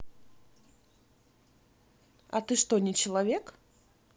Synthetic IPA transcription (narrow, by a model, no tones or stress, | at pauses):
at̪ɨʂt̪onʲɪt͡ɕɪlˠɐvʲek